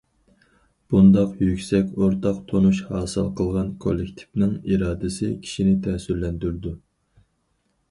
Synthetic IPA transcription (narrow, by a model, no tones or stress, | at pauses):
b̥und̪ɑqjykʲsɛkʲoɾt̪ʰɑqt̪ʰonuʃhɑːsɨ̰lˠqʰəlˠʁɑnkʰo̰lːɪk̚ʲt̪ʰi̥vnɨŋiɾɑːd̪ɨsɪ̰kʲʰi̥ʃinɪt̪ʰɛːsyɾlɛnd̪yɾɪd̪u